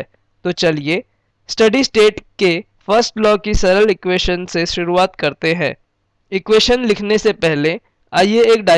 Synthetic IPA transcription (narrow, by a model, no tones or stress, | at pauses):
t̪ot͡ʃɐlije | sʈɐɖisʈeːʈke | fəɾsʈlɔːkisɐɾəlɪkweːʃənseʃʊɾuaːt̪kɐɾt̪eɦɛ̰̃ː | ɪkweːʃənlɪkʰnesepɛɦle | aːjeeːkɖaː